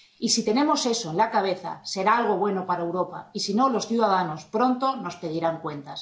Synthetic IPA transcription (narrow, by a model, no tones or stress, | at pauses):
isit̪e̞nẽ̞mo̞seso̞enlakaβ̞e̞θa̰se̞ɾaalɣ̞o̞βwe̞no̞paɾaewɾo̞pa̰isino̞lo̞sθjuðaðano̞spɾo̞nt̪o̞no̞spe̞ðiɾaŋkwe̞nt̪as